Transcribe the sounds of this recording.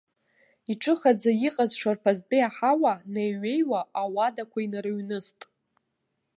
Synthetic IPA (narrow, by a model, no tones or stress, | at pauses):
iʈ͡ʂʼɨχad͡zajiqʼazʂarpʰazdʼɨjaħawanejɥe̞jwaawadakʷainrɨɥnɨstʼ